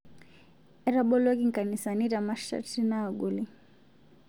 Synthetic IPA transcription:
ɛɾaɓɔlɔɡiŋkanisaniɾamaʃa̰tinaːɡuli

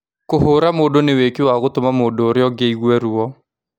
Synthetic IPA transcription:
koɦoɾamoːdonewekiwaɣotomamoːdoːɾjɔɡeiɣwɛɾuɔ

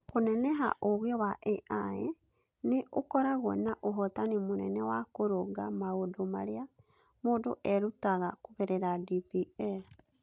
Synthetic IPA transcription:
konɛnɛɦa̰ʔoɣjɔwaʔɛʔae | neʔokɔɾaɣwɛ̰naʔoɦɔtanimonɛnɛwakoɾoɡamaodomaɾea | moːdoʔɛɾutaɣakoɣeɾɛɾadipiɛ

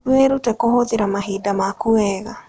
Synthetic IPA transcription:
ɾweɾutɛkohoðeɾamaɦeːdamakuɛːɣa

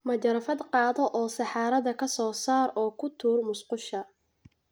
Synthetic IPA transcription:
mɐd͡ʒɐɾɐfɐd̪qɑːðɔʔɔːsɑħɑːɾɐðɐkʰɐsɔːsaːɾɔːkʰʊt̪ʰuːrmʊsqʊʃɐ

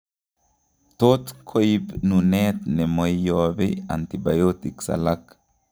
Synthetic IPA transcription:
t̪ot̪kʰojbnunɛt̪nɛmɔjjobea̰nt̪iba̰jot̪iksa̰lak

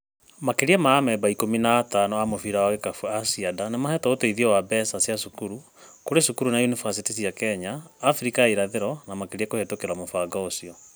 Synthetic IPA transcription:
makeɾiɛmaːmɛbaikominaːtanɔamofiɾaaekafuasiadanemahɛtɔoteiðiɔwabɛsasiasukuɾu | koɾesukuɾunajunifasitis̬iakɛɲaːfɾikaiɾaðeɾɔnamakeɾiɛkohetokeɾamofaɡaosiɔ

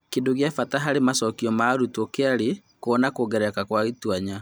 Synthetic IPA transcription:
kedoɣjafataɦaɾemasɔkiɔmaɾutɔkeaɾekoɔnakoɣɛɾɛkakwaɣetwaɲa

